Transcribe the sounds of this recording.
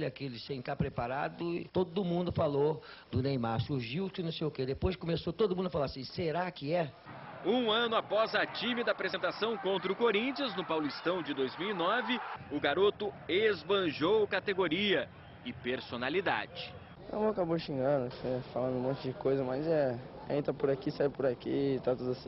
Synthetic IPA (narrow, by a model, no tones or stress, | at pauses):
lakelɪsẽj̃t̪apɾepaɾa̰d̪ʊɪ̰t̪od̪dʊmũnd̪ʊfalod̪ʊnejmaɾsuʒiwt̪ʊɪnɐ̃sejʊked̪epojzɪkomesot̪od̪ʊmũd̪ʊafalaɾasĩseɾakɪɛũɐ̃nʊapɔzɐt͡ʃimɪd̪ɐpɾezẽnt̪asɐ̃w̃kõnt̪ɾɐʊkoɾĩt͡ʃiɐznʊpawlʊist̪ɐ̃w̃d͡ʒɪd̪ojzmiwinɔvɪʊɡaɾot̪ʊezbɐ̃ʒowkat̪eɡoɾiɐ | ɪpeɾsonalid̪a̰d͡ʒɪ | a̰mõakaboʃĩŋɡɐ̃d̪ʊsefalɐ̃nd̪ʊũmõt͡ʃɪd͡ʒɪkojzɐmazɛẽt̪ɾɐpʊɾakisaɪpʊɾakit̪at̪ud̪sĩ